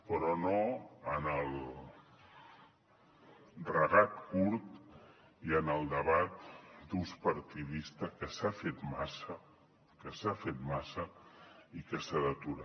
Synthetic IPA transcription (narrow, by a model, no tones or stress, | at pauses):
pɾɔnoənəlˠ | rəɣat̪kuɾt̪ | iənəlˠd̪əβat̪d̪uspəɾt̪iðist̪əkəsafet̪masə | kəsafet̪masəikəsaðət̪uɾa